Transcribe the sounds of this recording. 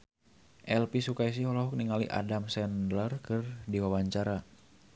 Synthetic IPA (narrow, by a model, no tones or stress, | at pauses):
ʔɛlpisukais̬iɦɔlɔɦɔk̚niŋalḭʔa̰damsɛndlərkɨrdiwawaɲt͡ʃaɾa